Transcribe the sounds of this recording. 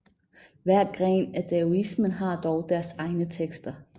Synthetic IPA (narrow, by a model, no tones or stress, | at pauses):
ʋæɐ̰ɡ̥ʁɛ̰ːnæd̥ʰeoismənɦɑ̈d̥ɒʊd̥æɐsɑ̈ɪnət͡sʰeɡ̥sd̥ɐ